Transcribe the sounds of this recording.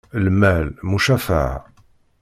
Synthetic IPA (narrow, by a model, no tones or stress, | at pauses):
lmælmuʃæfa̰ʕ